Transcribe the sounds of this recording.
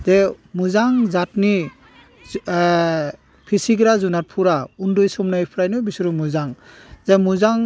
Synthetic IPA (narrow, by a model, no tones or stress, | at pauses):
z̥e | muzaŋzatni | pʰisiɡɾazunat̚pʰuɾaundɔjsɔmnajpʰɾajnɔbisuɾumuzaŋ | zemuzaŋ